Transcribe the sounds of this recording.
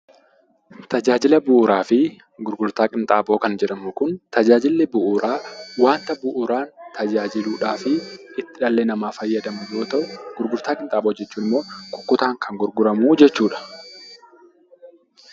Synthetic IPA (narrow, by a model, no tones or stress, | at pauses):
t̪ɐd͡ʒaːd͡ʒɪlɐbʊʔːɾaːfɪ | ɡʊɾɡʊɾt̪aːkʼɪnt̪ʼaːbo̞ːkɐnd͡ʒɛᶑɐmʊkʊnt̪ɐd͡ʒaːd͡ʒɪlːɪbʊʔʊɾaːwaːnt̪ɐbʊʔʊɾaːnt̪ʰɐd͡ʒaːd͡ʒɪluːᶑaːfɪɪt̪ːɪᶑɐlːeːnɐmaːfɐjːɐd̪ɐmʊjoːt̪ɐʔʊɡ̥ʊɾɡʊɾt̪aːkʼɪnt̪ʼaːɓo̞ːd͡ʒɛt͡ʃːuːnɪmːo̞ːkʼʊ̥kːʊt̪aːŋkʰɐŋɡʊɾɡʊɾɐmuːd͡ʒɛt͡ʃːuːᶑɐ̥